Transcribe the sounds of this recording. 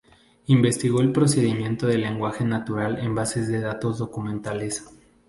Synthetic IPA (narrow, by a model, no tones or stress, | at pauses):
imbe̞st̪iɣo̞elpɾo̞se̞ðimjẽ̞nt̪oðe̞le̞ŋɡwaxe̞nat̪uɾale̞mbase̞zðe̞ðat̪o̞zðo̞kumẽ̞nt̪ales